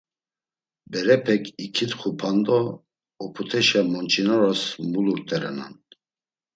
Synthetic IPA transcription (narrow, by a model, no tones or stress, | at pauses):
bɛɾɛpʰɛkʰikʰit̪χupʰand̪ɔː | pʰut̪ʰɛʃɛmɔnt͡ʃʼinɔɾasmuluɾt̪ʼɛɾɛ̰na̰n